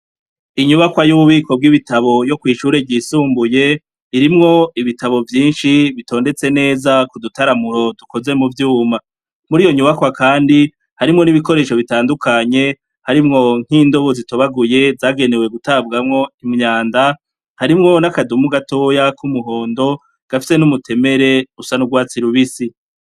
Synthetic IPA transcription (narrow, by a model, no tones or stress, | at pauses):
iɲuβakwajuβuβiːko̞b̚ɡiβitaβo̞jo̞kwiːʃuɾebɟisuːmbuje̞ | iɾimŋo̞iβitaβo̞vjiːnʃiβito̞ːnde̞t͡se̞ne̞ːzakudutaɾamuɾo̞duko̞ze̞muvjuːma | muɾijo̞ɲuβakwakaːndi | haɾimŋo̞niβiko̞ɾe̞ːʃo̞βitaːndukʰaɲe̞ | haɾimŋo̞ŋ̥iːndo̞βozito̞βaɡuje̞zaːɡe̞ne̞we̞ɡutabɡamŋo̞imɲaːnda | haɾimŋo̞nakadumuɡato̞ːjakumuɦo̞ːndo̞ | ɡ̥afi̥se̞numutʰe̞me̞ɾe̞usanuɡwaːt͡siɾuβisi